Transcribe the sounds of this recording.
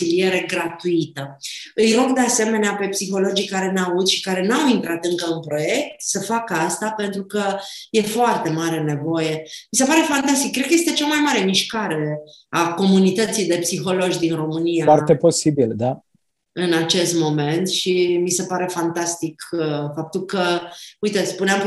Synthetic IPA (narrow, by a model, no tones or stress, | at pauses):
ilije̞ɾe̞ɡɾat̪uit̪əɨjɾo̞ɡd̪e̞ase̞me̞neape̞psixo̞lo̞d͡ʒijkaɾe̞neaud̪ʃi̥kaɾe̞nawint̪ɾat̪ɨŋkəɨnpɾo̞je̞k̚t̪səfakəast̪ape̞nt̪ɾukəje̞foart̪e̞maɾe̞ne̞vo̞je̞mise̞paɾe̞fant̪ast̪ikːɾed̪kəjest̪e̞t͡ʃamajmaɾemiʃkaɾe̞ako̞munit̪ət̪sijd̪e̞psixo̞lo̞d͡ʒʲd̪inro̞mɨnijaart̪epo̞sibild̪a | ɨnat͡ʃe̞st̪mo̞me̞nt̪ʃimise̞paɾe̞fant̪ast̪ikfap̚t̪ulkəujt̪espuneam